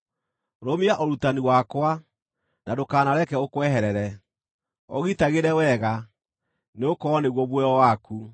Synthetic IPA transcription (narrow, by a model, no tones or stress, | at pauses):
ɾomiaʔɔɾutaniwakwa | nadokaːnaɾɛkɛokwɛɦɛɾɛɾɛ | ɔ̰ɣitaɣeɾɛwɛɣa | neokɔɔneɣwɔβwɛɔwaku